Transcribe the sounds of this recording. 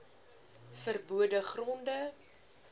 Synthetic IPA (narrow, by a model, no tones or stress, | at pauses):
fərbuədəχrɔndə